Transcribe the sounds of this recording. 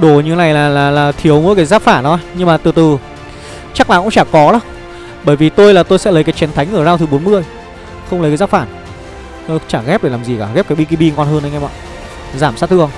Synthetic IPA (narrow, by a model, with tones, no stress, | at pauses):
ɗo˧˩ɲɨ̰˧˨˦na˨˩jlaː˨˩laː˨˩laː˨˩t̪ʰi˨˦əwmo˨˦kaː˨˦jzaː˦˥p̚faː˧˩nɗɔ˨˦ɲɨ˧ŋmaː˨˩t̪ɨ˨˩t̪ɨ˨˩ | t͡ɕa˦˥klaː˨˩kʊ̰˧˥ŋ͡mt͡ɕaː˧˩kɔ˨˦ɗɔ˨˦ | ɓəː˧˩jvi˨˩t̪o˧jlaː˨˩t̪o˧jsɛ̰˧˥lə˨˦kaː˨˦jt͡ɕɛ˨˦nt̪ʰa˨˦jŋʔəː˧˩zaː˧wt̪ʰɨ˨˩˦ɓo˨˦nmɨ˧əj | xə˧wŋ͡mlːə˨˦jkːzaː˦˥pfaː˧˩n˧ | t͡ɕaː˧˩ɣɛ˦˥p̚ɗe˧˩laː˨˩zi˨˩kaː˧˩ɣɛ˦˥p̚kaː˨˦jɓi˧ki˧ɓi˧ŋɔ˧˩nhəː˧nʔə˨˧jŋɛ˧ɓa̰ː˧˨ | zaː˧˩msaː˦˥t̚t̪ɨ˧˨˧ə˧ŋ͡m